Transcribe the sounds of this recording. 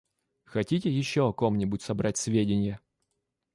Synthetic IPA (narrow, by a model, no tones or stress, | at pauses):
xɐtʲitʲɪjɪɕːoɐko̞mnʲɪbʊtʲsɐbɾatʲsʲvʲedʲɪnʲɪjə